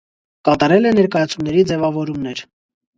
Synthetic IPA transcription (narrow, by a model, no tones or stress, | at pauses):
kɑt̪ɑɾɛlɛnɛɾkɑjɑt͡sʰumnɛɾid͡zɛvɑvɔɾumnɛɾ